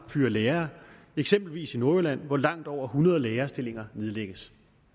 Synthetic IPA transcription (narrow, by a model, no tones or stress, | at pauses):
fyːɐleːɐː | eɡ̥sem̰b̥l̩ʋḭːsino̝ɐlæn̰ʋɒlɑ̈ŋ̰d̥ɒʊ̰ɐhunɐð̞ˠleːɐsd̥e̝le̝ŋɐne̝ð̞ˠleɡ̥əs